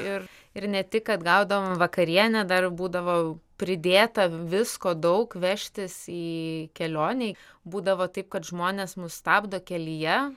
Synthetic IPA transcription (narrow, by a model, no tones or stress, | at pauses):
ɪr | ɪɾnʲɛt̪ʲɪkɐt̪ɡɐʊd̪ɐʋoːmʋɐkɐɾʲiɛnʲɛd̪ɐrbuːd̪ɐʋoːpʲɾʲɪd̪ʲeːt̪ɐʋʲɪskoːd̪ɐʊkʋʲɛʃʲt̪ʲɪsiːkʲɛlʲoːnʲeɪ | buːd̪ɐʋoːt̪ɐɪp̚kɐt̪ʒmoːnʲeːsmʊst̪ɑːbd̪oːkʲɛlʲɪjɛ